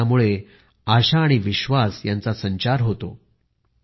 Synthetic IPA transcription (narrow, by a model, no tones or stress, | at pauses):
amuɭe | aɕaːɽ̃iʋiɕʋasjant͡sasəɲt͡ɕaɾɦot̪o